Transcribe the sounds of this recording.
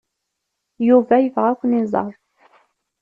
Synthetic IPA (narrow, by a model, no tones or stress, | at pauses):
juvæjəvʁækʷənizˤɑ̰ɾˤ